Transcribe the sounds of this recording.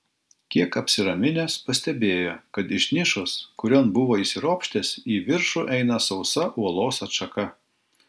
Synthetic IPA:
kʲiɛkɐpʲsʲɪɾɐmʲɪnʲeːspɐsʲt̪ʲɛbʲeːjokɐt̪ɪʃʲnʲɪʃʊskʊɾʲoːnbʊʋoːisʲɪɾoːpʲʃʲt̪ʲeːsiːʋʲɪɾʃʊʔɛɪnɐsɒʊsɐʔuɔlˠoːsɐtʃɐkɐ

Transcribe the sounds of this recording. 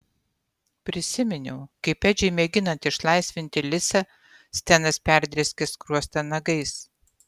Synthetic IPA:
pʲɾʲɪsʲɪmʲɪnʲɛʊkɐɪpːʲɛd͡ʒʲɛɪmʲeɡʲɪnɐnʲt̪ʲɪʃlˠɐɪsʲʋʲɪnʲt̪ʲɪlʲɪsɐ | sʲt̪ʲɛnɐspʲæˑɾʲd̪ʲɾʲɛsʲkʲɛskɾuɔst̪ɐnɐɡɐɪs

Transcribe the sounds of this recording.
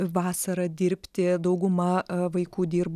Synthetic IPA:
ʋɑːsɐɾɐd̪ʲɪɾʲpʲt̪ʲɪd̪ɐʊɡʊmɐʋɐɪkuːd̪ʲiːɾb

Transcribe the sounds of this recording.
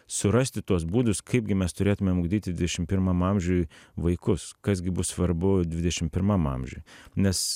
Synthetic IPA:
sʊɾɐsʲt̪ʲɪt̪uɔsbuːd̪ʊskʰɐɪb̚ɡʲɪmʲɛst̪ʊɾʲeːt̪ʊmʲɛmʊɡd̪ʲiːt̪ʲɪd̪ʲʋʲɪd̪ʲɛʃʲɪmpʲɪɾmɐmɐmʲʒʲujʋɐɪkʊskɐsɡʲɪbʊssʋɐɾbʊd̪ʲʋʲɪd̪ʲɛʃʲɪmpʲɪɾmɐmɐ̰mʲʒʲṵjnʲɛs

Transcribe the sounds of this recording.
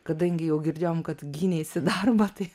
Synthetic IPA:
kɐd̪ɐŋɡijoɡiɾd͡ʒaːmkɐt̪ɡinesed̪aːɾbɐt̪e

